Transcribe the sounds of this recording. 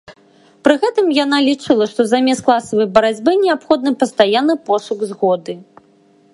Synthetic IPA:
pɾɨɣɛt̪ɨmjanalʲit͡ʂɨlˠɐʂt̪ɔzamʲɛst̪klˠasɐvɐjbɐɾad͡zʲbɨnʲɛapxɔd̪nɨpɐst̪ajanːɨpɔsuɡzɣɔd̪ɨ

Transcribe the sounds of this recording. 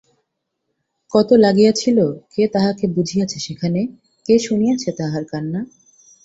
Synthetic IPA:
kɔt̪olaɡijat͡ɕʰiloket̪aɦakebud͡ʑʱijat͡ɕʰeʃekʰane | keʃunijat͡ɕʰet̪aɦaɾkanːa

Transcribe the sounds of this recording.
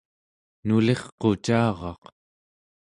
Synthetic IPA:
nule̞χqot͡ʃɑːʁɑ̰q

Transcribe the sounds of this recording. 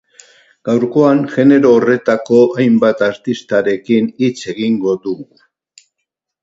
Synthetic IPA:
ɡ̥awɾko̞aŋʝe̞ne̞ɾoːre̞t̪ako̞ajmbat̪aɾt̪ist̪aɾe̞kinit͡se̞ɣiŋɡo̞ðuɣu

